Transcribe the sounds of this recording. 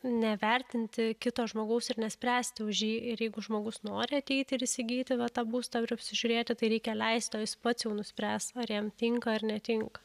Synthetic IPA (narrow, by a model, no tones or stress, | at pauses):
nʲɛʋʲɛrʲt̪ʲɪnʲt̪ʲɪkʲɪt̪oːʒmoːɡɐʊsɪɾnʲɛsʲpʲɾʲæːsʲt̪ʲɪʊʒʲjiːɪɾjɛɪɡʊʒmoːɡʊsnoːɾʲɪɐt̪ʲɛɪt̪ʲɪɪɾɪsʲɪɡʲiːt̪ʲɪʋɐt̪ɑːbuːst̪ɑpɪɐpʲsʲɪʒʲʊɾʲeːt̪ʲɪt̪ɐɪɾʲɛɪkʲɛlʲɛɪst̪ʲoːjɪspɐt̪sjɛʊnʊsʲpʲɾʲæːst̪ɐɾjiɛmt̪ʲɪŋkɐɪrnʲɛt̪ʲɪŋkɐ